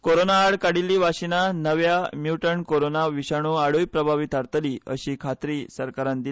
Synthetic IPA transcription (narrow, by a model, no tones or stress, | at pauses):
koɾonaːɽkaɽilːiʋaɕinanəʋjamjuʈəɳkoɾonaʋiɕaɽ̃ũaɽujpɾəbʱaʋit̪aɾt̪əliːə̰ɕiːkʰat̪ɾiːsəɾkaɾãnd̪il